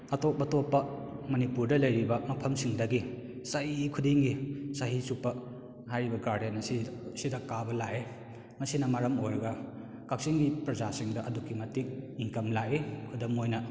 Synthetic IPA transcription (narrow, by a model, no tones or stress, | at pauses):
ɐtok̚bɐtopːɐmɐnipuɾdɐlɐjɾibɐmɐpʰɐmsiŋdɐɡi | saikʰudiŋɡisaɦisupːɐ | hajɾibɐɡaɾdenɐsisidɐkabɐlaʔe | mɐsinɐmaɾɐmojɾɐɡɐ | kak̚siŋɡipɾɐzasiŋdɐʔɐdukːimɐtik̚iŋkɐmlaʔekʰudɐmojnɐ